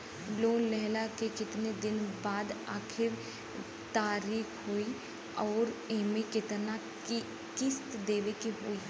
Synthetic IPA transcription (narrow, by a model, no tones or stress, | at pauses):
loːnlɛɦlakekɪt̪ned̪ɪnbaːd̪aːkʰɪɾ | t̪aːɾiːkʰɦoːi | ɔːɾemẽkɪt̪na | kɪst̪d̪eːʋekiɦoːiː